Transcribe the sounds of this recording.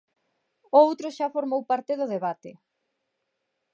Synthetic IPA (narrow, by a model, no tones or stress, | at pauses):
owt̪ɾʊʃafoɾmowpaɾt̪eðʊðeβat̪ɪ